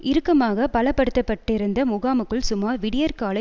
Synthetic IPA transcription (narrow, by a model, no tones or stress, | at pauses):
ʔɪɾɯkːɐmaːɣɐpɐlɐpːɐɽɯt̪ːɐpːɐʈːɪɾɯnd̪ɐmʊɣaːmɯkːɯɭsʊmaːɾʋɪɽɪjɐɾkaːlɐ